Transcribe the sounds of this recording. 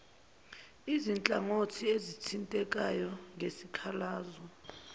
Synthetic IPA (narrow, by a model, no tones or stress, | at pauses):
izint͡ɬʼaŋotʰiezitʰintʼɛk̬ʼajɔŋesikʰalaːzɔ